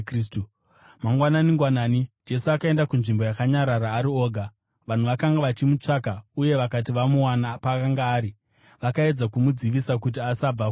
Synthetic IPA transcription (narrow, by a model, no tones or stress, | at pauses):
stu | maŋɡwananiŋɡwanaːnid͡ʒe̞suakae̞ndakunʐimbo̞jakaɲaɾaɾaːɾio̞ːɡʱa | ʋan̤uʋakaŋɡaʋat͡ʃimut͡ʂakauje̞ʋakat̬iʋamuwanapakaŋɡaːɾi | ʋakae̞d͡zakumud͡ziʋisakut̬iasab͡vak